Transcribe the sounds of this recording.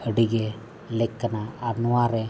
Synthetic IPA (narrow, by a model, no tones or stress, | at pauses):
əɽiɡe | lekːənaanuwaɾe